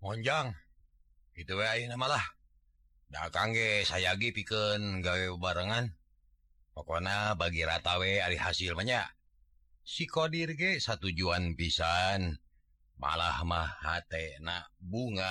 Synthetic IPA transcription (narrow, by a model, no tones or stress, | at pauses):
mɔɲd͡ʒaŋ | kit̪uweajinamalah | da̰kaŋɡɛsajaɡipikənɡawɛbaɾəŋan | pakonabaɡiɾat̪aweaɾihasilmaɲaʔ | sikodirɡesat̪ud͡ʒuanpisan | ma̰lahmahːat̪enabuŋa